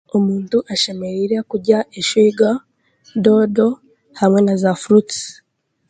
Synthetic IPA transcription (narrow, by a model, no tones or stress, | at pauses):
omuːntuʔaʃe̞me̞ɾiɾekuɟaʔeʃwiːɡa | do̞do̞ | hamŋe̞nazafuɾut